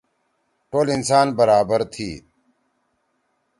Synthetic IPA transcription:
ʈoːlinsaːnbɐɾaːbəɾt̪ʰiː

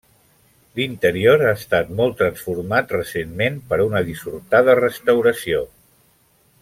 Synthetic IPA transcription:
lint̪əɾioɾaːst̪at̪mɔlˠt̪ɾənsfuɾmat̪rəsenmenpəɾunəðisuɾt̪aðərəst̪əwɾəsio

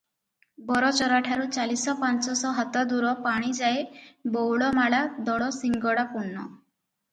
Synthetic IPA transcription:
bɔɾɔt͡ʃɔɾaʈʰaɾut͡ʃalisɔpant͡ʃɔsɔɦɔt̪ɔd̪uɾɔpaɽ̃id͡ʒaebowɭɔmaɭad̪ɔɽɔsiŋɡɔɽapuɳːɔ̰

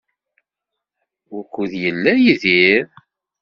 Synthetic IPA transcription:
ʊkʷːuðjəlːæjiðiɾ

